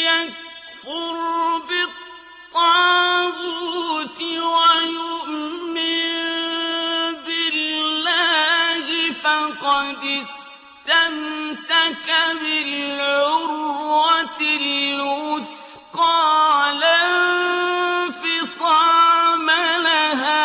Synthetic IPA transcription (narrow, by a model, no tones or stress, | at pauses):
jak | fʊɾbɪt̪ˤː | ɑɣuːt̪ɪwajʊʔmɪnn | bɪlːaːhɪfaqɑd̪ɪs | t̪amsakabɪlʕʊɾwat̪ɪlwʊθ | qɑːla | fɪsˤɑmalaɦaː